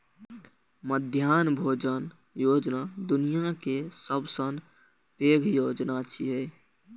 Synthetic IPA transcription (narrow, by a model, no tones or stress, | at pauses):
məd̪ʱjaːnbʱoːd͡ʒən | joːd͡ʒnad̪ʊnijakesəbsən | peːɡʱjoːd͡ʒnat͡ʃiɦeː